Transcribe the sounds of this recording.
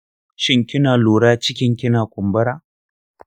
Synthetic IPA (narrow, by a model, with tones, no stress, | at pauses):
ʃɪ˦ŋkʲɪ˦naː˨luː˨ɽaː˦t͡ʃɪ˦kʲɪ˦ŋkʲɪ˦naː˨kʷʊ˨mbɐ˦ɾaː˦